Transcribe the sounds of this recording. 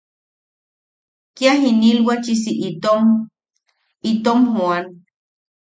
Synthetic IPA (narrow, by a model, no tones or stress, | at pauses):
kjaɦinilwat͡ʃis̬iʔom | it̪omhoan